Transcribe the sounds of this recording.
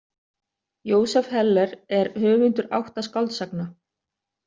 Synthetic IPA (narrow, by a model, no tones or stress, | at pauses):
joːwsɛfhɛlːɛɾɛɾhœːvʏnt̪ʏɾa̰wht̪askawlt̪sakna